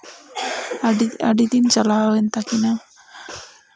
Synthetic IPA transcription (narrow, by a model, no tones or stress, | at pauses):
a̰ɖit̪int͡ʃalawɛnt̪akina